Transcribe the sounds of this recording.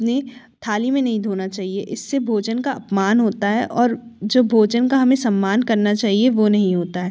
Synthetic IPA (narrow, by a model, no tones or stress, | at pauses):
ne | t̪ʰaːlimẽnɐɦĩd̪ʱoːnat͡ʃaːɦieʔɪsːebʱoːd͡ʒənkaɐpmaːnɦoːt̪aɦɛʔɔːɾd͡ʒoːbʱoːd͡ʒənkaɦɐmẽsɐmːaːnkɐɾnat͡ʃaːɦieʋonɐɦĩɦoːt̪aɦɛː